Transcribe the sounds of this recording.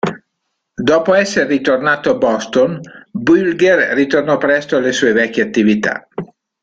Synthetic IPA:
d̪ɔːpoɛsːerːit̪ornaːt̪oabɔst̪onbylɡerːit̪ornɔpɾɛst̪oalesuːevɛkʲːeat̪ːivit̪a̰

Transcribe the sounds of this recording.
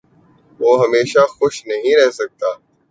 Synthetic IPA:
ʋoːɦəmeːʃaːxʊʃnəɦĩɾɛɦsək̚t̪aː

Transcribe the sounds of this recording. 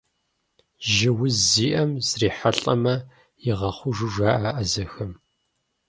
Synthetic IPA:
ʒɪwʊzzːiːʔɐmzriːħaɬʼɐmɐ | jɪʁɐχʷʊʒɨʒʷaːʔaːʔɐzɐxɐm

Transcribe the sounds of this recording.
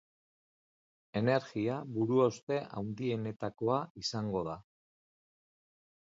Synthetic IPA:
e̞ne̞ɾɣiaβuɾuawst̪e̞ʔa̰wnd̪ie̞ne̞t̪ako̞aisaŋɡo̞ð̞a

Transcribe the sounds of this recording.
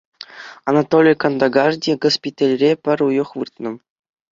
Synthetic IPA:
ɑnɑt̪olʲijkɑnd̪ɑɡɑrdʲiɡospʲit̪ʲalʲrʲepʲɘ̆ɾʲujɤ̆χʋɯrt̪nɤ̆

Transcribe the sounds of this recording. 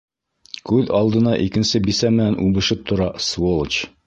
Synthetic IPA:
kʉðɑlˠd̪ɤ̆nɑʔikɘ̆nsɘbisæmɘ̆nænʔʉbɘ̆ʃɘp̚t̪ʰŏɾɑsvolˠt͡ɕ

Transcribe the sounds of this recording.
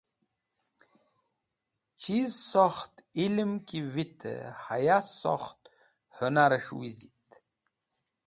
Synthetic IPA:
t͡ɕizsoxt̪ilmkivit̪ʰə̰ha̰jaso̰xt̪ | hunaɾəʂwizit̪

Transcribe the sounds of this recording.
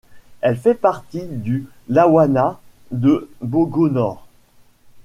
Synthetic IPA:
ɛlfɛpaʁt̪id̪y | lawana | d̪əboɡonɔːʁ

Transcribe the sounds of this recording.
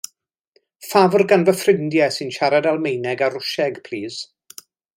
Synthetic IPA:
favrɡanvəfrɪndjɛsɪnʃaɾadalˠmejnɛɡaɾʊʃɛɡpʰl̥iːz̥

